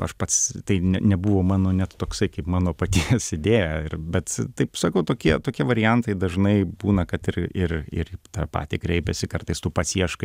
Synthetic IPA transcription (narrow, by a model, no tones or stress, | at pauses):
ɐ̰ʃpɐt̪st̪ɐɪnʲɛnʲɛbuʋoːmɑːnoːnʲɛt̪t̪oːksɐɪkɐɪpmɑːnoːpɐt̪ʲisɪd̪ʲeːjæɪrbʲɛt̪t̪ɐɪpsɐkɐʊt̪oːkʲiɛt̪oːkʲiɛʋɐɾʲɪjɛnt̪ɐɪd̪ɐʒnɐɪbuːnɐkɐt̪ɪrɪrɪ̰ɾt̪ɑpɑ̰ːt̪ʲḭkɾʲɛɪpʲɛsʲɪkɐrt̪ɐɪst̪uːpɑsʲiɛʃkɐ